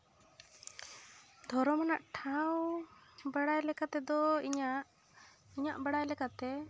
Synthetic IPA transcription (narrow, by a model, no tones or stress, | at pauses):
d̪ʱɔɾɔmanaʔʈʰawbaɽajlɛkat̪ɛd̪ɔiɲa | iɲaʔbaɽajlɛkat̪ɛ